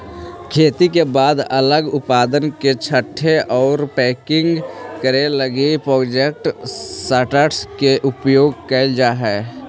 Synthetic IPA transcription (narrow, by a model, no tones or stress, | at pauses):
kʰeːt̪ikebaːd̪ələɡʊpaːd̪ənket͡ʃʰəʈʰːeʔɔːɾpɛːkɪ̃ŋɡkəɾeləɡepɾɔːd͡ʒek̚ʈsəʈəʈskeʔʊpjoːɡkəld͡ʒaɦɛː